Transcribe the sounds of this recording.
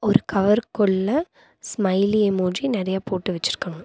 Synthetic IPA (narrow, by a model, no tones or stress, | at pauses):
ɔɾɯkɐʋɐɾkɔɭːɐ | smɐɪlijemuːrinɪɾɐjaːpoːʈːɯʋɛt͡ʃːɪɾɯkːaːŋɡɐ